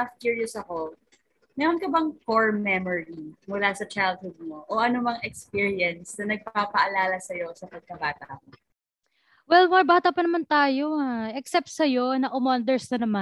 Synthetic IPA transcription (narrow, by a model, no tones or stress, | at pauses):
afkiɹjʊsɐko | mɛːɾonkɐbɐŋfoɹmːɛmoɹimʊlasɐt͡ʃajld̪̚hʊd̪̚moʔoʔɐnomɐŋɛkspiɹiɛnsnɐnɐɡ̚paːpɐʔɐlaːlɐsɐjo̞sɐpɐɡ̚kɐbaːt̪ɐʔɐko | wɛlmoɹbaːt̪ɐpɐnɐmant̪aːjo̞ŋaʔɛksɛp̚t̪̚sɐjo̞nɐʔʊmond̪ɛɹsnɐnɐma